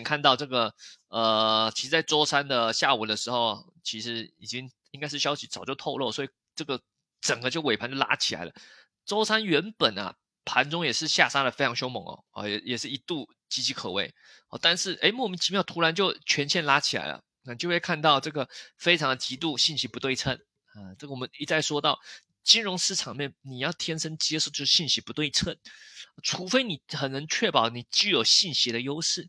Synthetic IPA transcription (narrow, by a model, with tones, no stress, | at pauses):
ŋkʰa˥˧nt̪ɑ˥˧ʊʈ͡ʂɤ˥˩ɡə˩ə˨˩t͡ɕʰi˧˥ʂɻ̩˧˥t͡sa˥˩ɪʈ͡ʂwɔ˥ʊsa˥nd̪ə˨ɕja˥˩u˨˩d̪ə˦ʂɻ̩˧˥xo˥˩ʊɐ̰˩ | t͡ɕʰi˧˥ʂɻ̩˧˥i˨˩t͡ɕi˥ŋ | i˥ŋka˥ɪʂɻ̩˥˩ɕjɑ˥ʊɕi˧˥t͡sɑ˨˩t͡ɕjo˥˧ʊt̪ʰo˥˧ʊlo˥˩swɔ˧˥i˨˩ | ʈ͡ʂɤ˥˩ɡə˩ | ʈ͡ʂə˨˩ŋɡə˦t͡ɕjo˥˩ʊwe˨˩ɪpʰa˧˥nt͡ɕjla̰˥t͡ɕʰi˨˩la̰˧˥ɪlə̰˧ | ʈ͡ʂɔ˥ʊsa˥nɥɛ˧˥npə˨˩nɐ̰˩ | pʰa˧˥nʈ͡ʂʊ˥ŋjɛ˨˩ʂɻ̩˥˧ɕja̰˥˩ʂa˥d̪ə˨˩fe˥ɪɑ˧˥ŋɕjo˥ʊmɤ̰˧˥˦ŋɐ̰˨˩ɔ̰˥˩jɛ˨˩jɛ˨˩ʂɻ̩˥˩i˧˥t̪u˥˩ | t͡ɕi˧˥t͡ɕʰi˧˥kʰɤ˨˩we˥˩ɪ | ɔ˥˧˩t̪a˥˧nʂɻ̩˥˩ʔe˧˥ɪmɔ˥˩˨mi˧˥˩t͡ɕʰi˧˥mjɑ˥˩ʊt̪ʰu˧˥ɻa˧˥nt͡ɕjo˥˩ʊt͡ɕʰɥɛ˧˥nt͡ɕʰjɛ˥˧nla˥t͡ɕʰi˨˩la̰˧˥ɪlə̰˩˨˩t͡ɕo˥˧we˥˩ɪkʰa˥˧nt̪ɑ˥˧ʊʈ͡ʂɤ˥˩ɡə˩fe˥ɪʈ͡ʂʰɑ˧˥ŋd̪ə˨˧t͡ɕi˧˥t̪u˥˩ɕi˥˩nɕi˧˥pu˧˥t̪we˥˩ɪʈ͡ʂʰə˥n | ə˧ʈ͡ʂɤ˥˩ɡə˨wɔ˨˩mə˧˦ni˧˥t͡sa˥˩ɪʂwɔ˥t̪ɑ˥˩ʊ | t͡ɕi˥nɻʊ˧˥ŋʂɻ̩˥˩ʈ͡ʂʰɑ˨˩ŋmjɛ˥˩nni˨˩jɑ˥˩ʊt̪ʰjɛ˥nʂə˥nt͡ɕi˥ɛ˥ʂ̩˥˧˩t͡ɕjo˥˧ʂ̩˥˩ɕi˥˩nɕi˧˥pu˧˥t̪we˥˩ɪt͡sʰə˥n˧ʈ͡ʂʰu˧˥fe˥ɪni˨˩xə˨˩nɤ˧˥ŋt͡ɕʰɥɛ˥˩pɑ˨˩˦ʊni˨˩t͡ɕy˥˩jo˨˩ʊɕi˥˩nɕi˧˥d̪ə˨jo˥ʊʂɻ̩˥˩